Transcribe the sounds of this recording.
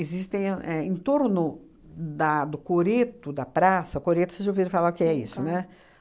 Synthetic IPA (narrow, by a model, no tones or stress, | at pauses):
ɪzist̪ẽj̃ɛẽt̪oɾnʊ | d̪ɐd̪ʊkoɾet̪ʊd̪ɐpɾasɐʊkoɾet̪ʊ̥sezoviɾfalaʊkɪɛḭsʊnɛ